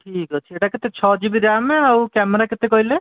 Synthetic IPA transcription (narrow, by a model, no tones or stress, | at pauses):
ʈʰikɦɔt͡ʃʰieʈaket̪et͡ʃʰɔd͡ʒibiɾameawkɛmeɾaket̪ekojle